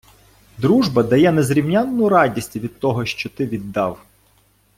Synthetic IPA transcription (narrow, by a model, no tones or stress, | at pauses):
d̪ɾuʒbɐd̪ɐjɛnɛzɾʲiwnʲanːʊjɾɑdʲisʲtʲʋʲid̪̚t̪ɔɦɔʃt͡ʃɔt̪ɪʋʲid̪ːɑw